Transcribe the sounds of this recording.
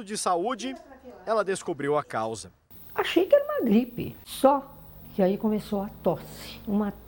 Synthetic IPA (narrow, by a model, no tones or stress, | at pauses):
ʊd͡ʒɪsaud͡ʒɪɛlɐd̪eskobɾiwɐkawzɐ | aʃejkɪɛɾɐũmɐɡɾipɪ̰sɔkɪaikõmesowɐt̪ɔsɪ̥ũmɐ